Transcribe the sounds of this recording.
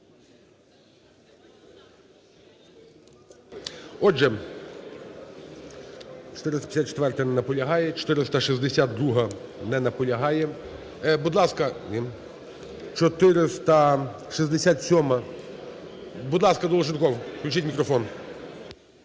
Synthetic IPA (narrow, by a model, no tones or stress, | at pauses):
ɔʒɛ | t͡ʃɔ̥t̪ɪɾɪst̪ɐpʲi̥sʲat̪̚t͡ʃe̥t̪ʋɛrt̪ɐnɛnɐpɔlʲɐɦɑjɛt͡ʃɔ̥t̪ɪɾɪst̪ɐʃizd̪esʲad̪̚d̪ɾuɦɐnɛnɐpɔlʲɐɦɑjɛ | bud̪lˠɑskɐnʲi | t͡ʃɔt̪ɪɾest̪ɐ | ʃizd̪esʲat̪sʲɔmɐ | bud̪lˠɑskɐd̪ɔlˠɔʒɪnkɔwklʲut͡ʃɪtʲmʲikɾɔfɔn